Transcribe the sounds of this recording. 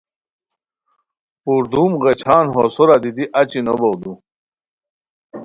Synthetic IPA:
puɾd̪umɣet͡ɕʰaːnɦosoɾad̪id̪iʔat͡ɕinobowd̪u

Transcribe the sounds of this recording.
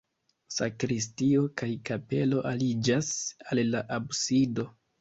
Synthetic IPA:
sakɾis̬tio̞kajkape̞lo̞ʔalid͡ʒasalːaʔabsido̞

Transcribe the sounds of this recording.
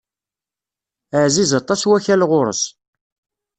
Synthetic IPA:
əʕzizɑt̪ˤːɑswæçælʁʊɾˤə̰s

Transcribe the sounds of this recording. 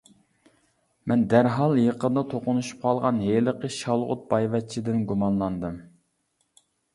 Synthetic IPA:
mɛnd̪æɾɦɑlˠjeqəd̪ɑt̪ʰoqʊnuʃu̥p̚qʰɑlˠʁɑnɦeləqʰəʃɑlˠʁʊ̰t̪̚b̥ɑjvɛt̪̚t͡ʃʰid̪ɪnɡumɑnlˠɑnd̪ɨm

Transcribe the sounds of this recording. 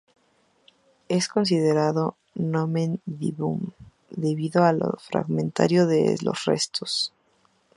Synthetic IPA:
e̞sko̞ns̬iðe̞ɾaðo | nomẽnd̪ḭβum | d̪e̞βiðoalfɾa̰ɣmẽ̞nt̪a̰ɾjoðelo̞̰srḛst̪ʰos

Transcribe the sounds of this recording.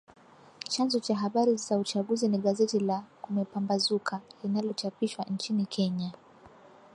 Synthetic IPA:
t͡ʃanzɔt͡ʃaɦaɓaɾizaut͡ʃaɠuziniɠazɛtilakumɛpambazukʰalinalɔt͡ʃapiʃwant͡ʃinikʰɛɲa

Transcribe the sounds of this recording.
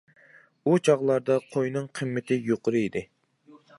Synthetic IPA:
ut͡ʃʰɑʁlˠɑɾd̪ɑqʰojnɨŋqʰɨmːɪt̪ʰɪjoqʊɾɨid̪ɪ

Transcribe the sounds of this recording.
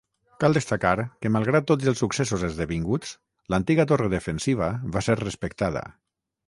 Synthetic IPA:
kalˠd̪est̪akaɾkəmalˠɣɾat̪ːod͡zəlˠsuksesuzezðeβiŋɡut͡s | lant̪iɣat̪oreðəfensiβ̞əβaseɾrespəkt̪að̞ə̰

